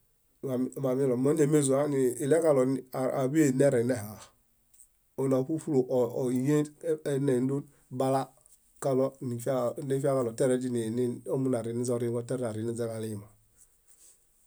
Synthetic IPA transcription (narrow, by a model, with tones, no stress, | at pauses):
a˨ma˨mi˦lɔ˨mo˦n˦e˨me˦˨zu˨a˦ni˨i˨lɛ˦ka˦lɔ˨n˨a˨bi˦e˨ne˦ɾɛ˨nɛ˦ɦa˨ | o˨na˨pu˦fu˦lo˨ʔi˨je˦ne˨n˦du˦ | ba˦la˦ | ka˦lɔ˦ni˨fne˦fi˦a˦ka˨lɔ˨tɛ˦ɾɛ˦d͡ʒi˦ni˨ni˦o˦mu˦na˨ɾi˨˦ni˦zɔ˦ɾi˦ɡɔ˦tɛ˦ɾna˨ɾi˨ni˦zɛ˦ka˨li˦ji˨ma˨